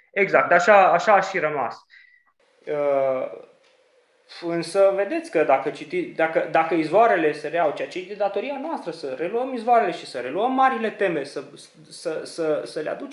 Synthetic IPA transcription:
eɡzak̚t̪aʃaaʃaːʃiɾəma̰s | ə | ɨnsəve̞d̪et̪sʲkəd̪akət͡ʃit̪id̪akəd̪akəizvoaɾe̞le̞seɾeawt͡ʃeat͡ʃit̪id̪at̪o̞ɾianoast̪ɾəsəre̞luəmizvoaɾe̞le̞ʃisəɾe̞luəmːaɾile̞t̪e̞me̞sə | səsəsəlea̰d̪ut͡ʃ

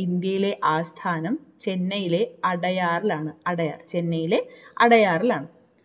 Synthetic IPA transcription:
ind̪jɐjile̞ʔaːst̪ʰaːnɐmt͡ɕe̞nːɐjile̞ɐɽɐjaːrilaːɳɨɐɽɐja̰ːrt͡ɕe̞nːɐjile̞ɐɽɐjaːrilaːɳɨ

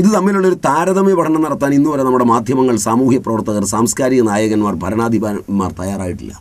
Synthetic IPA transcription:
iðɨt̪ɐmːiluɭːo̞ɾut̪aːɾɐðɐmeʋɐʈʰɐɳɐnɐɽɐt̪ːaːninːuʋɐlːenɐmːuɽe̞maːd̪ʱjɐmɐŋːɐɭsaːmuːhjɐprɐʋɐrt̪ːɐɣɐrsaːmskaːɾiɣɐnaːjɐɣɐnmaːrbʱɐɾɐɳaːd̪ʱibaːɐmaːrt̪ɐjaːraːjiʈːḭlːɐ̰

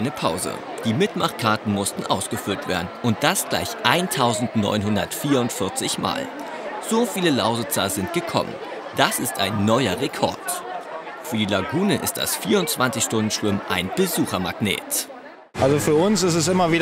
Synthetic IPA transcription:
ɪnəpʰaʊzə̰ | d̥iːmɪtmaχkʰaɐtn̩mʊstn̩ʔaʊsɡ̥əfʏltv̥ḛːɐdn̩ʔʊnt̚d̥asɡ̥la̰ɪçʔaɪntʰaʊzn̩tnɔ̰ʏnɦʊndɐ̰tfiːɐʊntfɪɐt͡sɪçma̰ːl | z̥oːfiːləlaʊzət͡sazɪnt̚ɡ̥əkʰɔ̰mə̰n | d̥asɪstaɪnːɔʏɐʁekʰɔ̰ɐt | fyːɐdiːlaɡuːnəʔɪ̰st̚d̥a̰sfiːɐʊntt͡sv̥ant͡sɪçʃtʊndn̩ʃv̥ɪmʔaɪnb̥əzuːxɐmaɡnḛːt | ʔalzofyːɐʊnsɪstɛsʔɪmɐviː

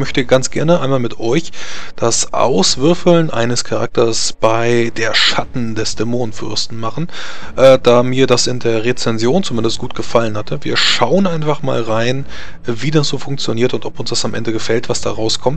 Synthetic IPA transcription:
mœçtəɡ̥ant͡sɡ̥ɛɐnəʔaɪnmaːlmɪtʰɔʏçd̥asʔa̰ʊsv̥ɪɐfl̩nʔa̰ɪnəskʰaʁa̰k̚tʰɐsb̥aɪdeːɐʃatn̩dɛsd̥ɛmoːnfʏ̰ɐstn̩maχn̩ | ʔɛːd̥aːmiːɐdasɪndeːɐʁet͡sɛnzjoːnt͡sumɪndəst̚ɡ̥uːt̚ɡ̥əfalənhatʰəviːɐʃaʊənʔaɪnfaχma̰ːlʁaɪn | viːdasz̥oːfʊŋkt͡sjoniːɐtʊntɔpʊnsd̥asamʔɛ̰ndəɡəfɛltv̥asd̥a̰ːʁaʊskʰɔmt

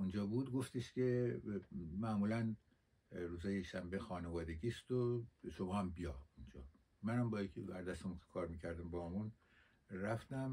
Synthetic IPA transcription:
und͡ʒɒːbud̪ɡo̞ft̪iʃcʰe̞ | mæmuːlæn | ruːzɒːjeʃæmbexɒːnevɒːd̪eɟiːst̪oʃobɒhæmbijɒund͡ʒɒ̰ː | mænæmbɒːjikʰebæɾd̪æst̪emunke̥kʰɒːɾmiːcʰæɾd̪æmbɒːmun | ræft̪æm

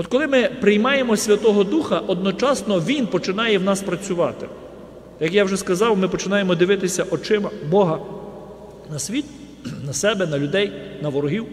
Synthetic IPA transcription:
ɔt̪̚kɔlˠɪmɪpɾɪjmɑje̞mɔsʲʋʲɐt̪ɔɦɔd̪uxɐʔɔd̪̚nɔt͡ʃɑsnɔʋʲinpɔt͡ʃɪnɑjɛwnɑspɾɐt͡sʲʊʋɑt̪ɪ̰ | jɐkjawʒɛskɐzɑwmɪpɔt͡ʃɪnɑjemɔd̪ɪʋɪt̪ɪsʲɐʔɔt͡ʃɪmɐbɔɦɐ | nɐsʲʋʲit̪ | nɐsɛbɛnɐlʲʊd̪ɛjnɐʋɔɾɔɦiw

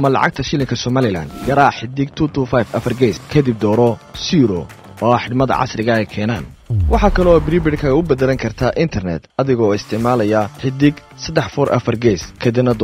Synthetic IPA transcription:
ɐmɐlɑ̰ʕɑ̰ɡ̚t̪ʰɐʃɪlɪŋkʰɐsɔmaːlɪla̰ːnd̪ɡɐɾaːħɪd̪ɪɡt̪ʰuːt̪ʰufajfɐfɐrɡɛskʰɛd̪ɪb̚d̪ɔːɾɔsiːɾɔ | ɔːħɪdmɐðɐ̰ʕɑ̰sɾɪɣɐɛjkʰɛːna̰ːn | wɑħɑkʰɐlɔbɾiːbɪɖkʰɐɣɐʊbɐd̪ɛlɐŋkʰɐrt̪ʰaʔɪnt̪ʰɛrnɛ̰d̪ɐðɪɣɔɪst̪ʰɪʕmaːlɐjɐħɪd̪ɪɡ | sɐd̪ɛħfɔɾʔɐ̰fɐrɡɛskʰɐd̪ɪbnɐd̪ɔ

